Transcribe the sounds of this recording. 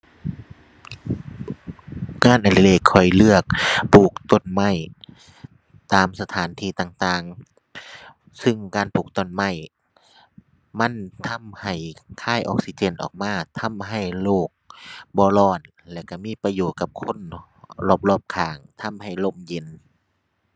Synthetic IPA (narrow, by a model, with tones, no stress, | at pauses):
ŋaː˧˥˨nʔa˧˩le˧˨le˧˩kʰːɔ˨˩jlɯ˧˩ək̚pʰuː˨˩k̚t̪o˧˥˨nma˧˩˨j | t̪aː˨msa˧t̪ʰaː˨˦nt̪ʰiː˧˩˨t̪aː˧˨˩ŋt̪aː˧˩ŋ | sɯ˧ŋkaː˨npʰuː˨˩k̚t̪ɔ˧˩˨nma˧˩˨j | ma˧˥˨nt̪ʰa˧˥mha˨˩jkʰaː˧˩˨jʔɔ̰ː˧˩k̚si˧t͡ɕeː˧˨nʔɔ̰ː˨˩k̚maː˧˥˩t̪ʰa˧˥˨mɦa˧˨˩jloː˧˩k̚bɔː˧lɔː˧˩n | lɛː˧˩wka˧˩miː˧˥˨pa˧joː˨˩t̪̚ka˧p̚kʰo˧˥˨n | lɔː˧˩p̚lɔː˧˩p̚kʰaː˨˦ŋt̪ʰa˧˥˨mɦa˨˩jlo˧˨mje˧˦n